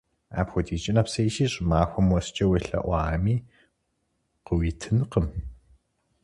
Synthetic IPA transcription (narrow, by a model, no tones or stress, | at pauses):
a̰ːpxʷɔdiːt͡ʃʼɪnɐpsɐjiʃiːɕʼɪmaːxʷɔmwɔst͡ʃʼɐweɬɐ̰ʔʷɑːmiː | qəwiːtʰɨnqəm